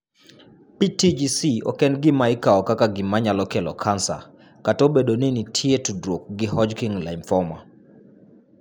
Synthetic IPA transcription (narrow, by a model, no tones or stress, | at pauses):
pitid͡ʒisiɔkɛnɡɪmaikaɔkakaɡɪmaɲalɔkɛlɔ̰kʰansa̰ | katobeɗoninitʰietudɾok̚ɡɪhɔd͡ʒkiŋla̰imfɔma̰